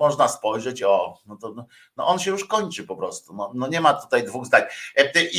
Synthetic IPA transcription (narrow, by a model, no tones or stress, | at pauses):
ɔʐnaspɔjʐɛt͡ɕɔnɔt̪ɔn | nɔ̰ʔɔnɕɛjuʂkɔɲt͡ʂɘpɔpɾɔst̪unɔnɔɲɛmat̪u̥t̪ajd̪vuɣzd̪aɲɛt̪ɛʔi